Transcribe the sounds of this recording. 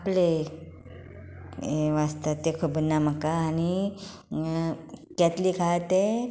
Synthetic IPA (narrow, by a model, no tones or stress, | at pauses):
aple | eʋast̪at̪ekʰobənːaməkaːni | kɛt̪liːkʰat̪e